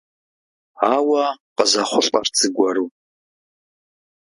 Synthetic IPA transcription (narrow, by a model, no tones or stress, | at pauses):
aːwɐqəzɐχʷʊɬʼɐ̰rt͡sʰɨɡʷɐɾuː